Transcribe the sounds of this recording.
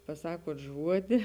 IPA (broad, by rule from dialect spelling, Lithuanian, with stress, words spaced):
pɐˈsɑːkuɔt ˈʒuɔdʲɪ